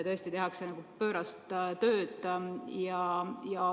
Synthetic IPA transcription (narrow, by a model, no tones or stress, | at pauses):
t̪ɤ̞est̪it̪e̞ɦɑksenɑɡ̥upø̞ːɾɑst̪t̪ø̞ːd̪̥jɑjɑ